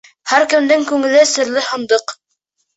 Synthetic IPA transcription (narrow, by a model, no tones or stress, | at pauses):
hæɾkɘ̆md̪ɘŋkʉŋɘ̆lɘsɘ̆ɾlɘhɤ̆nd̪ɤq